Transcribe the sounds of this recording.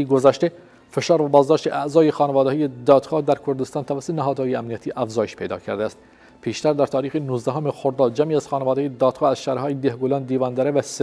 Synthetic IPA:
iɡozæʃt̪e | fe̞ʃɑːɾvæbɒːzd̪ɒːʃt̪eʔæʔzɒːjexɒːnevɒːd̪eːjed̪ɒːd̪̥xɑːd̪æɾkʰoɾd̪est̪ɑːnt̪ʰævæsːot̪enæɦɒːd̪hɑːjeæmniæt̪ʰiːʔæfzɒːjeʃpʰejd̪ɒ̰ːcʰæ̰ɾd̪ææst̪ | pʰiːʃt̪æɾd̪æɾt̪ʰɒːɾiːxenuːzd̪æɦomexoɾd̪ɑːd̪̚d͡ʒæmiːæz̥xɑːnevɒːd̪ejed̪ɒːd̪xɑːæzʃæɾhɒːjed̪ehɡolɑnd̪iːvɒːnd̪æɾevæs

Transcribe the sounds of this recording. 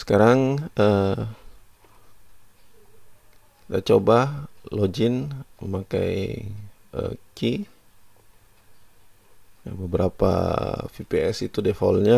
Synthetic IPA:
sə̥kaɾaŋə | dat͡ʃobalod͡ʒɪnməmaka̰j | ʔə̰ki | jbəbəɾapa̰fipeɛsit̪udefolɲa

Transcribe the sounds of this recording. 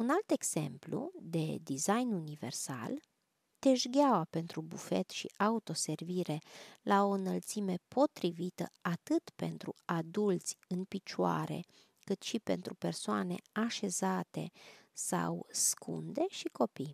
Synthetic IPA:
unalt̪e̞ɡz̥e̞̰mplṵd̪e̞d̪izajnunive̞̰rsa̰l | t̪e̞ʒɡʲawape̞nt̪ɾubufe̞̰t̪ʃḭaut̪o̞se̞rviɾe̞lʔao̞ɨnəlt̪sime̞po̞t̪ɾivit̪ə̰at̪ɨt̪pe̞̰nt̪ɾuad̪ult̪sʲɨnpit͡ʃua̰ɾe̞̰ | kɨt̪ʃipe̞̰nt̪ɾupe̞rsoane̞̰aʃe̞zat̪e̞̰sa̰wskʰṵnd̪e̞ʃiko̞pij

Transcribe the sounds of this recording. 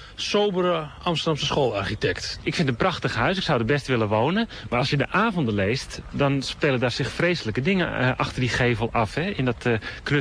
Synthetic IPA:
soːbəɾəʔɑmstərdamsəsχoːlˠarxitɛktɪkfɪntənprɑxtəxɦœɥsɪksawdəbɛstʋɪləʋoːnən | maːɑlˠsjədəʔaːvɔndənlejstdɔnspeːlədarsɪxfreːsələkədɪŋəʔɑxtərdixeːvəlˠɑfhɛɪndɔtknø

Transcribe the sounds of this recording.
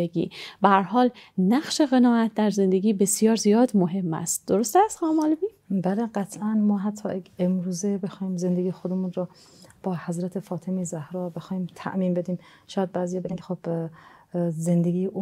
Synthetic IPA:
eɡḭːbææɾɦɒːlnæχʃeɣenɒːʔæt̪̚ʰd̪æɾze̞nd̪eɡiːbe̞sijɒːɾzijɒːd̪moɦe̞mːæ̰st̪̚d̪̥oɾost̪æst̪xɑːmɒːlbiː | bæleɢæt̪ʰʔænmɒːɦæt̪ʰːɒ̰ːjeemɾuːzebe̞xɒːhiːmzend̪eɡijxod̪emuːnɾɔ | b̥ɒːhæzɾæt̪ʰefɒːt̪ʰemezæhɾɒːbe̞xɒːhiːmt̪ʰæ̰ʔmiːnbe̞d̪iːm | ʃɒːjæd̪̚bæːzijɑːbʰexob̥ | zend̪eɡiːjʔu

